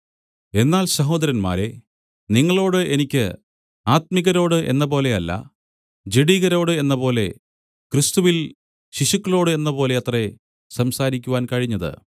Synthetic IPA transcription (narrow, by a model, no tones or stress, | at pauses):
e̞nːaːlsɐɦo̞ːd̪ɐɾɐnma̰ːɾe̞ | niŋːɐɭo̞ːɽɨʔenikʲːɨ | aːt̪̚miɣɐɾo̞ːɽɨʔe̞̰nːɐpo̞ːle̞ɐlːɐ̰ | d͡ʑiɽiɣɐɾo̞ːɽɨe̞nːɐpo̞ːle̞ | krɨst̪uʋil | ɕiɕukːɐɭo̞ːɽɨe̞nːɐpo̞ːle̞ɐt̪re | sɐmsaːɾikʲːuʋaːnkɐɻiɲːɐðɨ̰